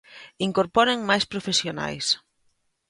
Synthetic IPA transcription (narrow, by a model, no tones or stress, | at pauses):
iŋkoɾpɔɾeŋmajspɾofesjona̰js